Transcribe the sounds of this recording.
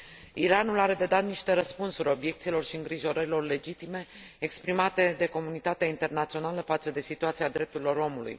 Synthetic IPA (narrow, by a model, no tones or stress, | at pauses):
iɾanulaɾe̞d̪e̞d̪at̪̚niʃt̪e̞ɾəspunsuɾʲo̞bje̞k̚t̪silo̞rʃiɨŋɡɾiʒo̞ɾəɾilo̞rle̞d͡ʒit̪ime̞ekspɾimat̪e̞d̪e̞ko̞munit̪at̪eaint̪e̞rnat̪sio̞naləfat̪səd̪e̞sit̪uat̪siad̪ɾe̞p̚t̪uɾilo̞ɾo̞mulṵj